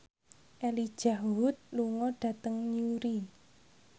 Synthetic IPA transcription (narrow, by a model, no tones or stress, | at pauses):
ʔɛlid̥ʒ̥aɦʊt̪̚luŋɔɖ̥ä̤t̪əŋɲuɾi